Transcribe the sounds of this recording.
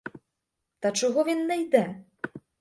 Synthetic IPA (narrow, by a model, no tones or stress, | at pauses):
t̪ɐt͡ʂɔɣɔvʲinːɐjd̪ɛ